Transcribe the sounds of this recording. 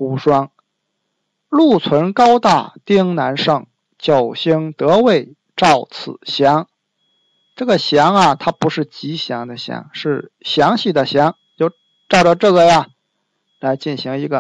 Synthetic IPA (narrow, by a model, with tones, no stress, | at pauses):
ku˧˥ʂwɑ˥ŋ | lu˥˩t͡sʰwə˧˥nkɑ˥ʊt̪a̰˥˩t̪i˥ŋna˧˥nʂɤ˥˩ŋ | t͡ɕjo˨˩ʊɕi˥ŋt̪ɤ˧˥we˥˩ɪ | ʈ͡ʂɑ˥˩ʊt͡sʰɹ̩˨˩ɕjɑ˧˥ŋ | ʈ͡ʂɤ˥˩ɡə˩ɕjɑ˧˥ŋɐ˨t̪ʰa˥pu˧˥ʂɻ̩˥˩t͡ɕi˧˥ɕjɑ˧˥ŋd̪ə˧ɕjɑ̰˧˥ŋʂɻ̩˥˩ɕjɑ˧˥ŋɕi˥˩d̪ə˩ɕjɑ˧˥ŋ | t͡ɕjo˥˧ʊ | ʈ͡ʂɑ˥˩ʊʈ͡ʂə˧˩ʈ͡ʂɤ˥˩ɡə˩ja˧ | la˧˥ɪt͡ɕi˥˩nɕi˧˥ŋi˧˥ɡə˧